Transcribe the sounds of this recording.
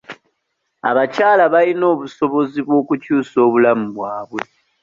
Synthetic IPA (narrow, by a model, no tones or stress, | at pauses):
a̰βacaːlaβalino̞ːβuso̞βo̞ziβwo̞ːkucuːso̞ːβulamuβwaːβwe̞